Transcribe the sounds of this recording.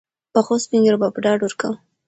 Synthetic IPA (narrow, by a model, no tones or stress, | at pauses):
pəxospiŋɡɾbapɖɑɖwəɾkaw